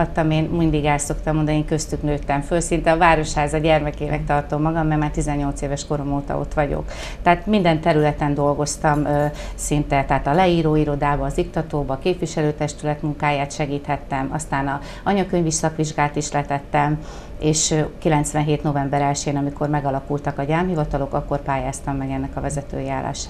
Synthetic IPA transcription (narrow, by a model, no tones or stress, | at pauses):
ɒt̪ːɒmeːnmind̪iɡɛlso̞kt̪ɒmo̞nd̪ɒnieːŋkøst̪yknøːt̪ːɛɱfølsint̪ɛɒvaːɾo̞ʃhaːzɒɟɛrmɛkeːnɛ̰k̚t̪ɒrt̪o̞mːɒɡɒmːɛɡmaːrt̪izɛɲːo̞lt̪seːvɛʃko̞ɾo̞moːt̪ɒ̰o̰t̪ʋɒɟo̰k | t̪ɛaːt̪mind̪ɛnt̪ɛɾylɛt̪ɛnd̪o̞lɡo̞st̪ɒmsint̪ɛt̪ɛɦaːt̪ɒlɛiːɾoːiɾo̞d̪aːbɒːzikt̪ɒt̪oːbɒːkeːpʋiʃɛløːt̪ɛʃt̪ylɛt̪muŋkaːjaːt̪ʃɛɡiːt̪hɛt̪ːɛmɒst̪aːnɒ | ɒɲɒkøɲvʋiʃsɒkʋiʒɡaːlt̪iʃlɛt̪ɛt̪ːɛm | eːʃkilɛnt̪sʋɛnɦeːt̪no̞vɛmbɛɾɛlʃeːnɒmiko̞rmɛɡɒlɒkult̪ɒkɒɟaːmhivɒt̪ɒlo̞kɒkːo̞rpaːjaːst̪ɒmːɛɡɛnːɛkɒvɛzɛt̪ø̰ːjaːla̰ːʃaː